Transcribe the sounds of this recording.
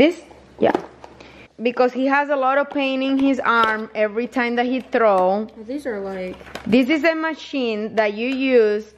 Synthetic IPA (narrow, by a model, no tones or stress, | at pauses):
ðɪs | ja̰ | bɨkɔzhiɦæzəlɔɾɔv̥pʰẽɪ̃ñɪ̃ŋhɪzaɹmɛvɹitʰãɪ̃mðæt̚hiθɹoʊðizə˞laɪkðɪsɪzɨmɨʃĩnðætɨjuz